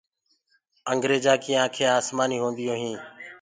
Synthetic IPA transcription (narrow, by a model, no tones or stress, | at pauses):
əŋɡɾeːd͡ʒaːkɪjãːkʰeːaːsmaːniːɦũːnd̪ɪjõːɦĩː